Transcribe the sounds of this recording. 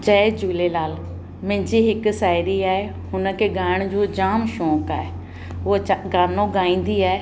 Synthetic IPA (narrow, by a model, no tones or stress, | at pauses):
d͡ʒɛːd͡ʒuːleːlaːl | mɪ̃ːd͡ʒiːɦɪksaːɪɾiːɛː | ɦʊnkeɡaːɪɳ̃d͡ʒoːd͡ʒaːmʃɔ̃ːkɛːe | oːɡanõːɡaːĩːn̆d̪iːɛː